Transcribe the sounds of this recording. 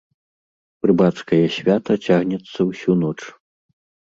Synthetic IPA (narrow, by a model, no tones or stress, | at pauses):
prɨbat̪skɐjɐsʲvʲat̪ɐt͡sʲaɣnʲɛt̪sːɐwsʲunɔt͡ʂ